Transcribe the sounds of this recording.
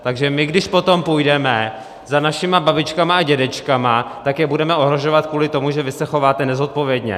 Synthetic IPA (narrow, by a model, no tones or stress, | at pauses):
t̪aɡʒɛmɪɡdɪʃpo̞t̪o̞mpujdɛmɛ | zanaʃɪmababɪt͡ʃkamaaɟɛdɛt͡ʃkamat̪akjɛbudɛmɛʔo̞ɦɾo̞ʒo̞vat̪̚kvuːlɪt̪o̞muʒɛvɪsɛxo̞vaːt̪ɛnɛzo̞t̪̚po̞vjɛdɲɛ̰